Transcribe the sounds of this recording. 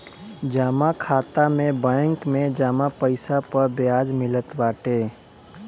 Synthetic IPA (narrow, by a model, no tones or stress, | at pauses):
d͡ʒaːmakʰaːt̪amẽbə̃ŋkmẽd͡ʒaːmapəɪsapəɾbjaːd͡ʒmɪlət̪baːʈeː